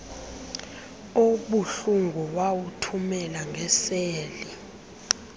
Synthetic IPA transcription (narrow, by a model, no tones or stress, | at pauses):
oɓuɬuŋɡʱɔwawutʰumɛlaŋɡʱɛseːli